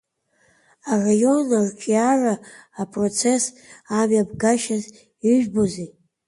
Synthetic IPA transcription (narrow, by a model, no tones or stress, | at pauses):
arajo̞nlarkʲʰiaraːpʰʼro̞t͡sʰe̞s | amabɡaʃaz | iʒᶣboze